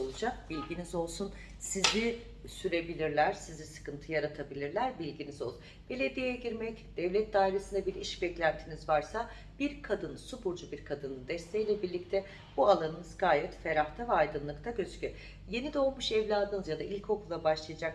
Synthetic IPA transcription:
olˠud͡ʒak̚bilʲɟinizo̞lˠsun | sizi | syɾe̞bilʲiɾlʲæɾ̥sizisɯ̥kɯnt̪ʰɯjaɾat̪ʰabilʲiɾlʲæɾbilʲɟinizo̞lˠ | b̥e̞lʲe̞d̪ijejɛɟiɾmɛcd̪̥ɛvlʲɛt̪̚d̪aːɦiɾesind̪abiɾiʃbɛclʲænt̪ʰinizvaɾsa | b̥iɾkʰad̪ɯnsubuɾd͡ʒubiɾkʰad̪ɯnɯd̪ɛst̪ʰejilʲɛbiɾlʲic̚t̪ʰɛ | b̥ualˠanɯnɯzɡaːjɛt̪fe̞ɾaht̪ʰavɛajd̪ɯnlˠɯkt̪ʰaɟøzcy | je̞nid̪olˠmuʃɛvlʲaːd̪ɯnɯzjad̪aʔilʲcho̞kʰulˠːabaʃlˠɯjad͡ʒak

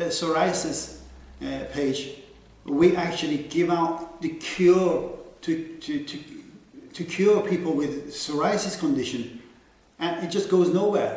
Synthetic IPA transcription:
sə˞aɪsɨs | pʰeɪd͡ʒ | wiʔæk̚t͡ʃʉl̩ˠiɡɪvaʊt̪̚ðɨkʰj̥ʊɹtʰɨɨtʰɨ | tʰɨkʰj̥ʊɹpʰipl̩ˠwɪð̥sə˞aɪsɨskʰə̃ndɪʃɨ̃n | ɨ̃nɪt̚d̥ʒ̥ʌsɡ̥oʊznoʊwɛɹ

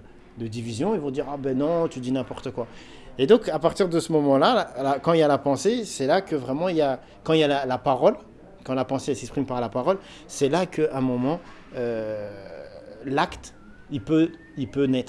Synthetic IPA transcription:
d̪əd̪ivizjɔ̃ilvɔ̃d̪iʁabɛnɔ̃t̪yd̪inɛ̃pɔʁt̪əkwa | ed̪ɔ̃kapaʁt̪iʁd̪əsəmɔmɑ̃laalakɑ̃iljalapɑ̃sesɛlakəvʁɛmɑ̃ilja | kɑ̃iljalalapaʁɔl | kɑ̃lapɑ̃seɛsɛkspχimpaʁlapaʁɔl | sɛlakʰəɛ̃mɔmɑ̃ | ø | lakt̪ | ipø | ilpønɛt̪χ

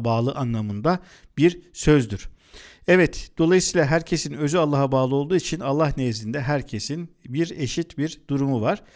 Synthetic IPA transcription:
baːlˠɯʔanlˠamɯnd̪a | biɾsøzd̪yɾ̥ | ɛvɛt̪d̪̥o̞lˠajɯsiːlˠaɦæɾcʰe̞sinø̞zyalˠːaɦabaːlˠɯo̞lˠd̪uːit͡ʃʰinalˠːahnejzind̪ɛɦæɾcʰe̞sinbiɾe̞ʃit̪biɾd̪uɾumuvaɾ̥

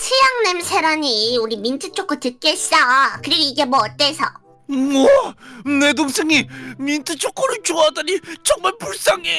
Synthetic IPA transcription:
sʰɯjaŋnemsʰeɾaɲiuɾimintʰɯt͡ɕʰok͈ʰotɯk͈eɕʰidaɡkɯɾiɡoiɡe̞mwʌːt͈esʰʌ | mʌnedoŋs͈ʰeŋimintʰɯt͡ɕʰokʰʌɾɯɭt͡ɕoadaɲit͡ɕʌŋmaɭpuɭs͈aŋe

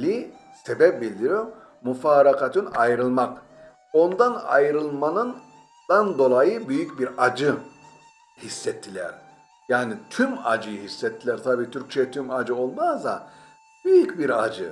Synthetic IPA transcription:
lʲi | sebɛp̚bilʲd̪iɾom | mufaːɾakat̪ʰɯnajɾɯlˠmak | o̞nd̪ana̰jɾɯlˠmanɯn | d̪̥and̪o̞lˠajɯbyjycbiɾad͡ʒɯ | hisːɛt̪ʰːilʲæɾ̥ | jaːnit̪ʰyma̰d͡ʒɯjɯɦisːɛt̪ʰːilʲæɾt̪ʰabiːt̪ʰyɾc̚t͡ʃʰɛjɛt̪ʰymad͡ʒɯo̞lˠmazd̪a̰ | b̥yjycbiɾad͡ʒɯ

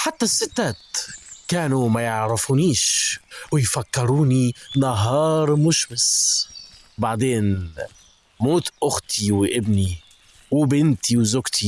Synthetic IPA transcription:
ħat̪ːasːɪt̪ːat̪kaːnumajɪʕɾɪfuniːʃwɪjfakːɪɾuːninaɦɑːɾˤmʊʃmɪs | baʕd̪eːn | moːt̪ʔʊxt̪ʰiwʔɪbni | wɪbɪnt̪iwzʊkt̪ʰi

